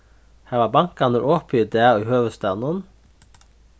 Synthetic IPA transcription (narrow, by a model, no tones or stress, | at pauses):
hæːʋɑːbɑŋkɑnəɾʔoːpʰiːd̪eːyːhøːʋəst̪ɑnən